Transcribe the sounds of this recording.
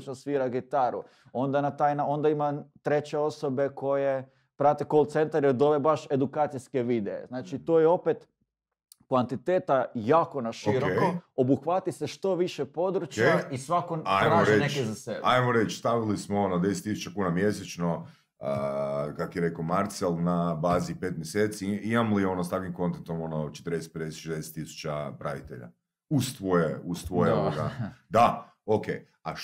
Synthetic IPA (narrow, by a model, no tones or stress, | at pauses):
t͡ʃnosʋiːɾaɡit̪aɾṵ | o̞nd̪anat̪ajnao̞nd̪aimat̪ɾe̞t͡ɕeo̞sobe̞ko̞je̞ | pɾat̪ekolt̪se̞nt̪aɾjeɾd̪o̞ʋe̞baʃe̞d̪ukaːt̪sijske̞ʋid̪ḛḛznaːt͡ʃit̪oːjeo̞pet̪ | kʋant̪it̪eːt̪ajaːko̞naʃiɾoeoobuxʋat̪iseʃt̪o̞ʋiʃepo̞d̪ɾut͡ʃkjaisʋakoajmoʒɾenet͡ʃkezasebajmoɾe̞t͡ʃst̪aʋilismoonod̪eset̪ːisu̥t͡ʃakuːnamje̞set͡ʃno | əkakojeɾe̞komaɾt̪selˠnabaːzipet̪̚mjese̞ːt̪siimamolio̞nost̪akʋimko̞nt̪ent̪omo̞not͡ʃet̪əɾd̪eset̪ped̪eseʃezd̪ese̥t̪ːisu̥t͡ʃapɾa̰ʋit̪e̞̰ʎa̰ | ust̪ʋojeust̪ʋojeoɡad̪a | okḛj | a